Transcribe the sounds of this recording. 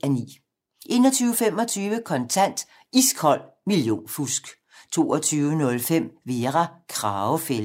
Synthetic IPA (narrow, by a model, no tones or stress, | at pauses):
ænḭː | ʔe̝ːnɒt͡sʰyːʊəfem̰ɒ̽t͡sʰyːʋəkʰɒ̽nt͡sʰæn̰d̥ | isɡ̥ʰɒ̽l̰ | miljo̝̰ːnfusɡ̥ | t͡sʰo̝̰ːɒt͡sʰyːʋənɔ̽lfem̰ʋe̝ʁakʰʁɑːʊfel